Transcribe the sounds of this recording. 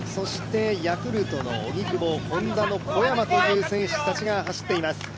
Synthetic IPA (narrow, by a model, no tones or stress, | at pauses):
so̞ɕi̥t̪e̞jakɯ̟ɾɯ̟t̪o̞no̞̰ːɲ̟ikɯ̟mo̞kõ̞nd̪ano̞ko̞jamat̪ot̪ɯ̟ːsẽ̞ɰ̃ɕi̥t̪at͡ɕiɡaɦaɕi̥t̪ːe̞imasɨ̥